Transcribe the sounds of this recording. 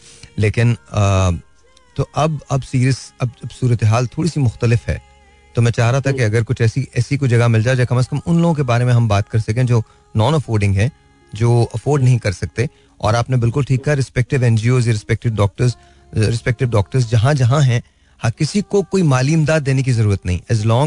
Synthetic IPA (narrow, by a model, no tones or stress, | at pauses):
leːkɪnː | t̪oʔɐbɐbsiːɾiəsɐbbsuːɾət̪eɦaːlt̪ʰoːɽisimʊxt̪əlɪfɦɛ̰ː | t̪omɛ̃ːt͡ʃaːɦɾaɦat̪ʰakeɐɡəɾkʊt͡ʃʰɛːsiʔɛːsikod͡ʒɐɡamɪld͡ʒaːed͡ʒakɐməskɐmʊnloːɡõk̬ebaːɾemẽɦɐmbaːt̪kɐɾsɐkẽd͡ʒoː | nɔːnɐfoːɾɖɪ̃ŋɡɦɛ̃ | d͡ʒoːɐfoːɾɖnɐɦĩkɐɾsɐk̚t̪e | ɔ̰ːɾaːpnebɪlkʊlʈʰiːkːaɾɪspɛk̚ʈɪʋɛ̃ːnd͡ʒioːzjaɾɪspɛk̚ʈɪʋɖɔːk̚ʈəɾz | ɾɪspɛk̚ʈɪʋɖɔːk̚ʈəɾzd͡ʒɐɦãd͡ʒɐɦãɦɛ̃ | hɐkɪsikokoːimaːliːɪmd̪aːd̪ːeːnek̬izɐɾuːɾət̪nɐɦĩʔɛːzlɔːŋ